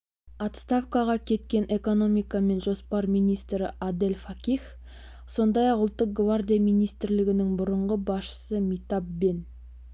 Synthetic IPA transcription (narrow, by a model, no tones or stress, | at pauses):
ɑt̪st̪afkɑʁɑkʲʰe̞t̪kʲe̞ne̞ko̞no̞mijkɑme̞nʒo̞spɑɾmijnijst̪ɾɪʔad̪elʲfakʲiχ | so̞nd̪ɑjɑqʊlˠt̪ːəq̚ɡvard̪ʲijamijnijst̪ɪɾlɪɡʲɪnɪŋbʊɾəɴʁəbɑsʃə̥səmijt̪ɑpbe̞n